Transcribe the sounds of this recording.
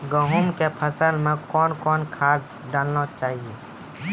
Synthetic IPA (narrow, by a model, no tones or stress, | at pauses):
ɡəɦʊmkepʰɐsəlmẽkɔːnkɔːnkʰaː | ɖaːlnat͡ʃaːɦie